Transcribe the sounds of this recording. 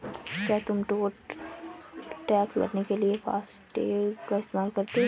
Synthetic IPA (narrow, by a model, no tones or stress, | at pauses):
kjaːt̪ʊmʈoːʈ | ʈɛːksbɐ̰ʈnekeliefa̰ːsʈḛːkaɪst̪eːmaːlkɐɾt̪eɦ